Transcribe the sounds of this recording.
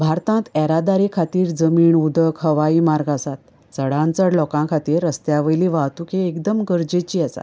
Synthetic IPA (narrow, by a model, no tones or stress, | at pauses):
bʱaɾt̪ãt̪ɛɾad̪aɾikʰat̪iːɾd͡zəmiːɳud̪əkhəʋaimaɾɡasat̪̚ | t͡səɽãnt͡səɽlɔkãkʰat̪iːɾːəst̪jaʋəjliːʋaɦt̪ukʰeekd̪əmɡəɾd͡ʑet͡ɕiːasa̰t̪